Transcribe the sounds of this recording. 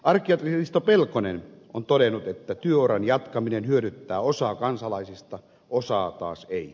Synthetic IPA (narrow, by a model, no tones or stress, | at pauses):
ɑrkːˑiɑt̪ririst̪opelkonenʔont̪odenut̪et̪ːæt̪yøoɾɑnjɑt̪kɑminenhyøɾyt̪ːæːosɑkɑnsɑlɑisist̪ɑ | osɑːt̪ɑ̰ːsei